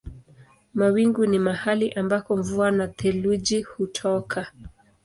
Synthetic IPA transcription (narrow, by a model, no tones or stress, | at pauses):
mawiŋɡunimahaliʔambakɔɱvuanatʰɛluʄihutʰɔkʰa